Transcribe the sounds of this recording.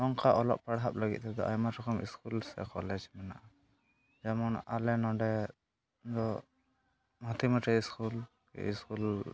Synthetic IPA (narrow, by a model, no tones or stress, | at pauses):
dɔŋkʰaʔɔlɔ̰p̚paɽɦap̚ləɡit̪̚ʰɛd̪ɔʔajmatɔkʰɔmḭskulsɛ̰kɔlɛd͡ʒmɛnaʔa | d͡ʒamɔnalɛnɔɖɛ | d̪ɔ | mɔt̪imaʈɛiskul | kɛ̰ḭskul